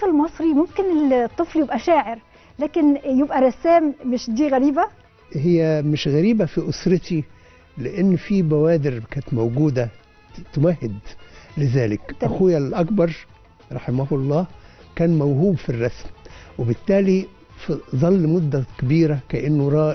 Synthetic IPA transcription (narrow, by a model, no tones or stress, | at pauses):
flmɑsˤɾimʊmkɪnɪt̪ˤːɨfljɪbʔæʃæːʕɪɾ | læːkɪnjebʔæɾˤɑsːæːmːɪʃd̪iːɣæɾiːbæ | hɪjːæmɪʃɣæɾiːbæfiʔʊsɾɪt̪i | lɪʔɪnːfiːbæwæːd̪ɪɾkæːnt̪mowɡuːd̪æ | t̪ʊmæhːɪd̪lɪzæːlɪkʔæxʊjælʔækbɑɾˤ | ɾˤɑħɪmæhlˤːɑːkæːnmæwɦuːbfirˤːɑsmwɪbɪt̪ːæːli | fzˤɑlːmʊd̪ːækæbiːɾækæʔɪnːʊɾˤɑː